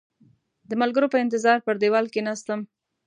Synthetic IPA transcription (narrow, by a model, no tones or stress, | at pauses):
d̪əmalɡəɾopəɪnt̪̬ɪzɑɾpəɾd̪ewɑlkenast̪əm